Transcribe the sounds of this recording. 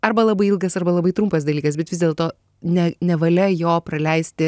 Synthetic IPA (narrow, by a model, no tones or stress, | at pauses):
ɐɾbɐlˠɐbɐɪilˠɡɐsɐrbɐlˠɐbɐɪt̪ɾʊmpɐs̬d̪ɐlʲiːkɐsbʲɛt̪ʋʲɪzd̪ʲeːlˠt̪oː | nʲɛnʲɛʋɐlʲɛjoːpɾɐlʲɛɪsʲt̪ʲɪ